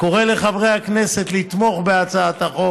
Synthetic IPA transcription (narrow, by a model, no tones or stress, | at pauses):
ko̞ʁele̞χavʁe̞jhakne̞se̞t̪lit̪mo̞χbeat͡saat̪aχo